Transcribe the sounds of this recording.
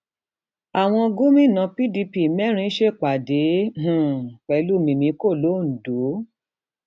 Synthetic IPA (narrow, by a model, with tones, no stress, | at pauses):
a˨w̃ɔ̃˧ɡu˦mĩ˦˨nã˧pi˦di˧pi˨mɛ˦ɾ̃ĩ˧˦ʃe˦˨k͡pa˨dẽ˨˦˨k͡pɛ˨˧lu˦˨mĩ˧mĩ˧˦ko˦˨lo˨˦˨n̩˨do˨˦